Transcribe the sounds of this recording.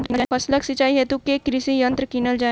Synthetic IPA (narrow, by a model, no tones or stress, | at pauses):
ɐsləksit͡ʃaːiɦɛt̪ukekɾɪsijɐ̃nt̪ɾəkinəld͡ʒaː